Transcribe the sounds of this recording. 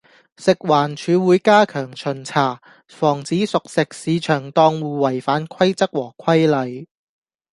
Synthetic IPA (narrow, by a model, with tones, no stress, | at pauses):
sɪ˨k̚waː˨˩nt͡ʃʰyː˨˧wuː˨˥jkaː˥kʰœː˨˩ŋt͡ʃʰɵ˨˩nt͡sʰaː˨˩ | fɔː˨˩ŋt͡siː˨˥sʊ˨k̚sɪ˨k̚siː˨˧t͡ʃʰœː˨˩ŋt̪ɔː˧ŋwuː˨˧wɐ˨˩jfaː˨˥nkʰɐ˥jt͡sɐ˥k̚wɔː˨˩kʰɐ˥jlɐ˨˧j